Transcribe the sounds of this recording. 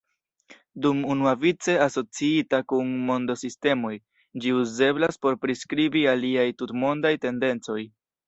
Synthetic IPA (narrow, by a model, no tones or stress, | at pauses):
dumunuavit͡se̞aso̞t͡siitakunmo̞ndo̞siste̞mo̞j | d͡ʒiuze̞blaspo̞ɾpɾiskɾibialiajtutmo̞ndajte̞nde̞nt͡so̞j